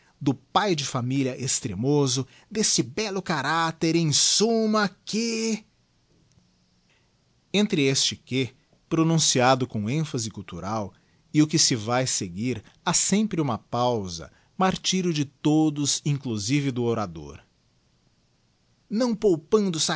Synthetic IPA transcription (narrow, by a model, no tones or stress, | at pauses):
d̪ʊpajd͡ʒɪfamiliɐʔest̪ɾemozʊ | d̪est͡ʃɪbɛlʊkaɾat̪eɾẽj̃sũmɐkɪ | ẽnt̪ɾɪest͡ʃɪkɪ | pɾonũsiad̪ʊkõẽfɐzɪkuwt̪uɾaw | ɪʊkɪsɪvajseɡiɾ | asẽmpɾɪũmɐpawzɐ̰ | maɾt͡ʃiɾjʊd͡ʒɪt̪od̪ʊzĩŋkluzivɪd̪ʊoɾad̪o̰ɾ | nɐ̃w̃powpɐ̃nd̪ʊsa